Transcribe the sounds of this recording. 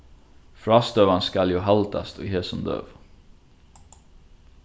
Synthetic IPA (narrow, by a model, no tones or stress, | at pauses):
fɾɑst̪øːʋɑnskɑljuːɦɑlt̪ʰɑ̰st̪ʰo̰heːsɔmd̪ø̰ːʋ